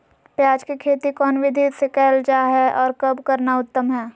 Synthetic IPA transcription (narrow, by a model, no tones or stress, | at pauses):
pjaːd͡ʒkikʰeːt̪ikɔːnʋɪd̪ʱisekɛːld͡ʒaːɦɛʔɔːɾkɐbkɐɾnaʊt̪ːəmɦɛː